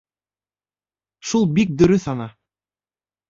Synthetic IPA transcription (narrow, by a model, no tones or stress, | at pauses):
ʃulˠbik̚d̪ɵ̆ɾɵθɑnɑ